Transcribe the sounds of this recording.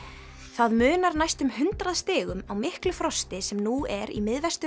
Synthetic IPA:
θaðmʏːnaɾnajst̪ʏmhʏnt̪ɾaðst̪ɪːɣʏmawmɪhklʏfɾɔst̪ɪsɛmnuɛɾḭmɪðvɛst̪

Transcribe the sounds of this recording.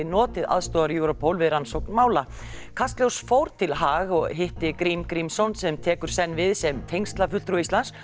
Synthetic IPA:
ɪnɔːt̪ɪða̰ðst̪ɔːðaɾjuwɾɔpʰowlvɪðɾansowk̚nmaːwla | kʰast̪ljowsfowɾ̥t̪ʰɪlɦaːɣɔɣɦɪht̪ɪkɾimkɾimsownsɛmt̪ʰɛːkʏɾ̥sɛnːvɪðsɛmt̪ʰejnst̪lafʏ̥t̪ɾuist̪ans

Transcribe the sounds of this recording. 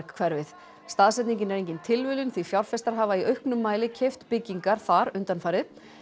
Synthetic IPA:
kkʰvɛɾvɪθ | st̪aːðsɛt̪niɲcɪnɛɾejɲcɪnt̪ʰɪlvʏːlʏnθifjawɾfɛst̪aɾ̥ɦaːvaiœɥhknʏmːaːjlɪcʰɛjft̪pɪcːiŋkaɾ̥θaɾʏnt̪anfaːjɾɪð

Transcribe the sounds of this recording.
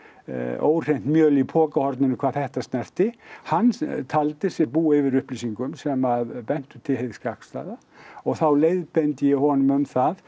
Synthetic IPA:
o̰ːwr̥ejn̥t̪mjœːlipʰɔːkahɔɾt̪nɪnɪkʰaɾθɛht̪ast̪nɛr̥t̪ɪhanːt̪ʰalt̪ɪsjɛɾpuːɪvɪɾʏhplisiŋkʏmsɛmaðpɛn̥t̪ʏt̪ʰɪlheðskakst̪a̰ːða | ɔɣθawlejðpɛnt̪ɪjɛhɔnʏmʏmθað

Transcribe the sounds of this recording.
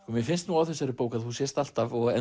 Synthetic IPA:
kɔmjɛfɪnst̪nuːawθɛsːaɾɪpoːwkaðθhusjɛst̪al̥t̪avɔɣɛ

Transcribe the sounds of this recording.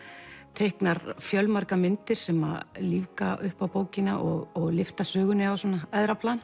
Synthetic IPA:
t̪ʰejhknaɾfjœlmaɾ̥kamɪnt̪ɪɾ̥sɛma̰ðliːvkaʔʏhpawpoːwcɪna̰ʔɔɣɔɣlɪft̪asœːɣʏnɪawsɔnaɛðɾapʰlan

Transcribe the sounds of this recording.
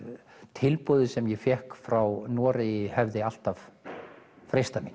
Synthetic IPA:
t̪ʰɪlpɔːðɪsɛmjɛfjɛhkfɾawnɔːɾɪɪhɛvðɪal̥t̪av | fɾejst̪amin

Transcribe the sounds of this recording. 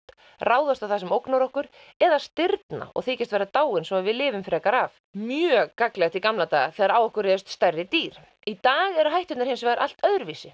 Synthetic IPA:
rʔaːwðast̪awθasɛmowknaɾɔhkʏɾ | ɛðast̪ɪɾt̪na̰ʔɔ̰ɣθɪːcɪst̪ɛːɾat̪aːwɪnsɔavɪlɪːvʏmfɾɛːkaɾaf | mjœkaklɛɣat̪ɪikamlat̪a̰ːɣaθɛɣaɾaːwɔhkʏɾrɛːðʏst̪st̪ɛrːɪt̪iːɾ̥ | it̪aːɣɛɾʏɦajht̪ʏt̪naɾhɪnsvɛɣɾʔal̥t̪œðɾviːsɪ

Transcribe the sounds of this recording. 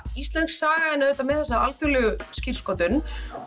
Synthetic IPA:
ist̪lɛnsaːɣaðɪnːɪʏːt̪amɛðθɛsːaalfjuɣlʏɣʏscɪr̥skɔt̪ʏn

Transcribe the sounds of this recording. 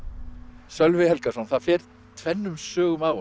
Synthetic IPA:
sœlvɪhɛlkasɔnθaðfɛːɾ̥ | t̪ʰvɛnːʏmsœːɣʏmaːwʏ

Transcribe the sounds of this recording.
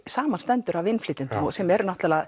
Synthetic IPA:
saːmanst̪ɛnt̪ʏɾavɪnfliːt̪ɪnt̪ʏmɔɣsɛmɛɾnɔht̪lɛlað

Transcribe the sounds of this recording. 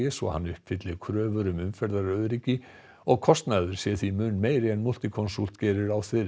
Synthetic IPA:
ɪsɔ̰ha̰nːʏhp̚fʰɪt̪lɪɣkʰɾœːvʏɾʏmʏmfɛɾðaɾɾœɥðɾicːɪ | ɔɣkʰɔst̪naːðʏɾ̥sjɛ̥θimʏnːmeːjɾɪɛnmul̥t̪ɪkʰɔnsult̪cɛːɾʏɾawθvɪɾ

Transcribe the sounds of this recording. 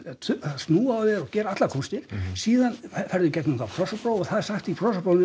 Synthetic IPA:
t̪ʰḁst̪nuːavɛðɾɔɣcɛːɾaat̪lakʰunst̪ɪɾ̥siːðanfɛɾðʏcɛt̪nunθapʰɾɔsapɾowɔɣθaðɛsaxt̪ipʰɾɔsapɾownɪ

